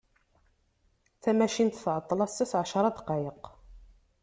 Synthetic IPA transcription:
θæmæʃint̪θʕət̪ˤːlɑsːæsʕʃɑɾˤɑd̪qɑjəq

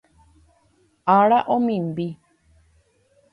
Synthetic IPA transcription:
aɾaʔõmĩmbi

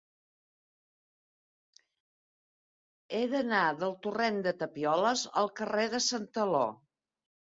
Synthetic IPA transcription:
eðənaðəlˠt̪urend̪ət̪əpiɔləzə̰lˠkəreðəsənt̪əlo̰

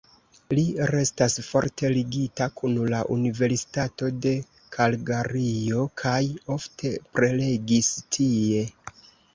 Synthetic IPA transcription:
liɾe̞stasfo̞̰ɾtʰe̞liɡitakʰunlaʔunive̞ɾsi̥tato̞de̞ | kʰalɡaɾio̞kʰajo̞ftʰe̞pɾele̞ɡistʰie̞

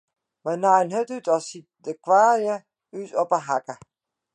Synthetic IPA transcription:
manajənɦøtytɔsit̚dəkwaːrjə | ytɔpəɦakə

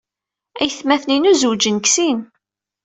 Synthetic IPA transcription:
æjθmæθninuzuwd͡ʒənksin

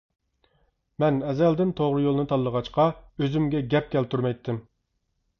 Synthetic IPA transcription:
mɛnɛzɛld̪ɪnt̪ʰoʁɾɨjolˠnɨt̪ʰɑlˠːəʁɑt͡ʃqɑøzymɡʲɛɡʲɛp̚kʲɛlt̪ʰuɾmɛjt̪ʰːɪm

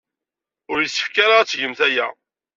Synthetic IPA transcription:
ʊɾjəsːə̥fkaɾaʁæt͡sːʝəmθæjæ

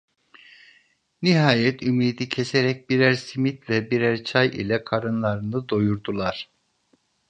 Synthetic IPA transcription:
niɦaːjɛt̪ʰymiːd̪icʰeseɾɛc̚biɾæɾsimit̪vɛbiɾæɾt͡ʃʰajʔḭlʲɛkʰaɾɯnlˠaɾɯnɯd̪ojuɾd̪ulˠaɾ̥

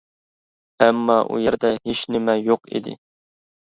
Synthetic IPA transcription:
ɛmːɑʔṵjɛɾd̪ɛɦeʃnɪmɛjoqḭd̪ɪ̰

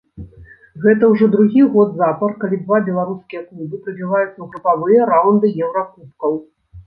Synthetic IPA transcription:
ɣɛt̪ɐwʐɔd̪ɾuɣʲiɣɔd̪zapɐrkalʲid̪vabʲɛlˠaɾuskʲijɐknʲiɣʲipɾɐbʲivajut̪sːɐwɣɾɨpavɨjɐɾawnd̪ɨjɛwɾakupkɐw

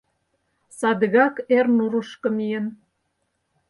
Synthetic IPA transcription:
sɑd̪əɣɑkernuɾuʃkɤ̆mijən

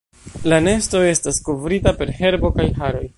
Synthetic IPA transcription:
lane̞sto̞e̞stasko̞vɾitape̞ɾhe̞ɾbo̞kajɦaɾo̞j

